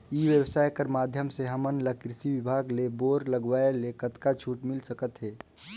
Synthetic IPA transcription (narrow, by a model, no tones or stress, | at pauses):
iʋjəwsaːjkəɾmad̪ʱjəmseɦəmənləkɾɪsiʋɪbʱaːɡleboːɾləɡʋaelekət̪kat͡ʃʰuːʈmɪlsəkət̪ɦɛː